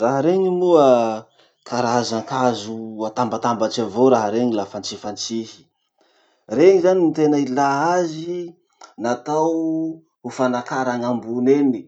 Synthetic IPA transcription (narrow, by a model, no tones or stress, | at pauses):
raɦaɾeɲimuə | kʰaɾazaŋkazuat̪ambat̪ambat͡ʃavoɾaɦaɾeɲilafant͡sifant͡sihi̥ | reŋizanint̪enailaazi | nat̪aw | ufanakaɾaŋambuneni̥